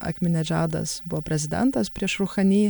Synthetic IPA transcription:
ɐ̰kʲmʲɪnʲɛd͡ʒʲæːd̪ɐ̰sbʊʋoːpʲɾʲɛzʲɪd̪ʲɛ̰nt̪ɐspʲɾʲiɛʃɾʊxɐnʲiː

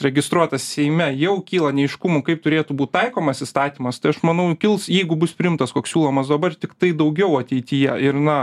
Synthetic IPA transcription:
ɾʲɛɡʲɪst̪ɾuɔt̪ɐssʲɛɪmʲɛjɛʊkʲiːlˠɐnʲɛɪʃkʊmʊkɐɪp̚t̪ʊɾʲeːt̪ubuːt̪t̪ɐɪkoːmɐsɪst̪ɑːt̪ʲiːmɐst̪ɐɪɐʃmɐnɐʊkʲɪlˠsjɛɪɡʊbʊspʲɾʲɪɪmt̪ɐskoːksʲuːlˠoːmɐsd̪ɐbɐrt̪ʲɪkt̪ɐɪd̪ɐʊɡʲɛʊɐt̪ʲɛɪt̪ʲɪjɛɪrnɐ

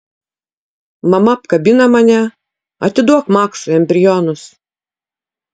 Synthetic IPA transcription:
mɐmɐpkɐbʲɪnɐmɐnʲɛ | ɐt̪ʲɪd̪uɔkmɑːksʊɛmʲbʲɾʲɪjɔːnʊs

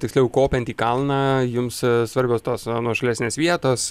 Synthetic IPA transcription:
t̪ʲɪksʲlʲɛʊkoːpʲɛnt̪ʲiːkɐlˠnɑːjʊmssʋɐɾʲbʲoːst̪oːsnuɔʃɐlʲæːsʲnʲeːsʋʲiɛt̪oːs

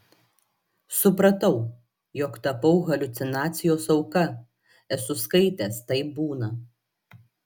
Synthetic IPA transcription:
sʊpɾɐt̪ɐʊ | jɔkt̪ɐpɐʊɣɐlʲʊt̪sʲɪnɑːt̪sʲɪjoːsɒʊkɐ | ɛsʊskɐɪt̪ʲɛːst̪ɐɪp̚buːnɐ

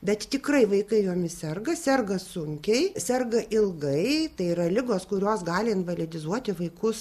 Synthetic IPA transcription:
bʲɛt̪t̪ʲɪkrɐɪʋɐɪkɐɪjuɔmʲɪsʲɛrɡɐsʲɛrɡɐsʊŋʲkʲɛɪsʲɛrɡɐʔɪlˠɡɐɪt̪ɐɪiːrɐlʲɪɡoːskʊɾʲoːsɡɑːlʲɪɪnʋɐlʲɪd̪ʲɪzuɔt̪ʲɪʋɐɪkʊs

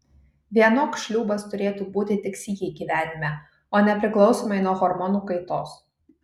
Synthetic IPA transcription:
ʋʲiɛnoːksʃʲlʲuːbɐst̪ʊɾʲeːt̪uːbuːt̪ʲɪt̪ʲɪksʲiːɡʲɛɪɡʲiːʋʲæːnʲɪmʲɛ | oːnʲɛpʲɾʲɪklˠɒʊsoːmɐɪnuɔɣɔɾmɔnuːkɐɪt̪oːs

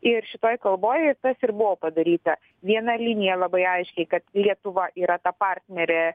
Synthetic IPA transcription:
ɪrʃʲɪt̪oːjkɐlˠboːjɛɪt̪ɐsɪɾbʊʋoːpɐd̪ɐɾʲiːt̪ɐ | ʋʲiɛnɐlʲɪnʲɪjɛlˠɐbɐɪɐɪʃʲkʲɛɪkɐt̪lʲiɛt̪ʊʋɐʔiːɾɐt̪ɐpɑrʲt̪ʲnʲɛɾʲɛ

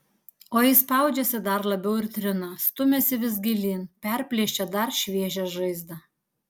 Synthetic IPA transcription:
oːjɪspɑˑʊd͡ʒʲɛsʲɪd̪ɐɾlˠɐbʲɛʊɪɾt̪ʲɾʲɪnɐst̪ʊmʲɛsʲɪʋʲɪs̬ɡʲɪlʲiːnpʲɛɾʲpʲlʲiʃʲt͡ʃʲɛd̪ɐɾʃʲʋʲiɛʒʲɛʒɐɪzd̪ɐ

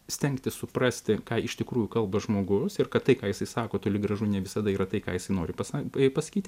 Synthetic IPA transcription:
sʲt̪ʲɛŋkt̪ʲɪssʊpɾɑːsʲt̪ʲɪkɑːɪʃt̪ʲɪkɾuːjʊkɐlˠbɐʒmoːɡʊsɪrkɐt̪t̪ɐɪkɑːjɪsɐɪsɑːkoːt̪oːlʲɪɡrɐʒunʲɛʋʲɪsɐd̪ɐiːɾɐt̪ɐɪkɑːjɪsɐɪnoːɾʲɪpɐsɑpɐsɐ̥kʲiːt̪ʲ

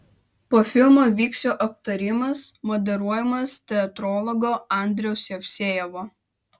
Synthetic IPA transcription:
poːfʲɪlʲˠmoːʋʲiːksʲoːʔɐp̚t̪ɐɾʲɪmɐsmɔd̪ʲɛɾuɔjɛmɐst̪ʲɛɐt̪ɾɔlˠɔɡoːɑˑnʲd̪ʲɾʲɛʊsʲjɛfʲsʲeːjɛʋoː

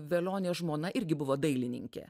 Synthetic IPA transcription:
ʋʲelʲoːnʲeːʒmoːnɐʔɪɾʲɡʲɪbʊʋoːd̪ɐɪlʲɪnʲɪ̰ŋʲkʲḛː

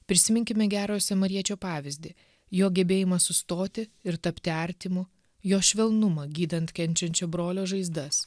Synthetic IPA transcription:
pʲɾʲɪsʲɪmʲɪŋʲkʲɪmʲɛɡʲæːɾoːjsʲɛmɐɾʲiɛt͡ʃʲoːpɑːʋʲɪzʲd̪ʲɪ | joːɡʲɛbʲeːjɪmɐsʊst̪oːt̪ʲɪɪɾt̪ɐpʲt̪ʲɪɐɾʲt̪ʲimʊ | joːʃʲʋʲɛlˠnʊmɐɡʲiːd̪ɐnt̪kʲɛnʲt͡ʃʲɛnʲt͡ʃʲoːbɾoːlʲoːʒɐɪzd̪ɐs

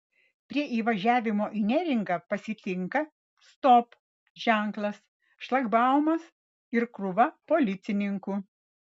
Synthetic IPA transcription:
pʲɾʲiɛʔiːʋɐʒʲæːʋʲɪmoːʔinʲɛɾʲɪŋɡɑːpɐsʲɪt̪ʲɪŋkɐ | st̪ɔp | ʒ̥ʲæˑŋklˠɐs | ʃlˠɐɡbɑˑʊmɐs | ɪɾkɾʊʋɐpoːlʲɪt̪sʲɪnʲɪŋkuː

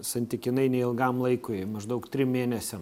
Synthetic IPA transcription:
sɐnʲt̪ʲɪkʲɪnɐɪnʲɛɪɪlˠɡɑmlˠɐɪkʊɪmɐʒd̪ɐʊkt̪ʲɾʲɪmmʲeːnʲɛsʲɛm

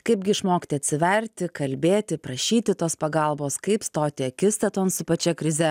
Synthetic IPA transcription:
kɐɪb̚ɡʲɪɪʃmoːkt̪ʲɪɐt̪ʲsʲɪʋʲɛɾʲt̪ʲɪkɐlʲbʲeːt̪ʲɪpɾɐʃʲiːt̪ʲɪt̪oːspɐɡɐlˠboːskɐɪpst̪oːt̪ʲɪɐkʲɪst̪ɐt̪oːnsʊpɐt͡ʃʲɛkɾʲɪzʲɛ

